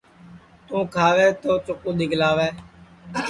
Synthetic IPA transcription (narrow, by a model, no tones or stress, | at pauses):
t̪ũːkʰaːʋeːt̪oːt͡ʃʊkũːd̪ɪːɡlaːʋeː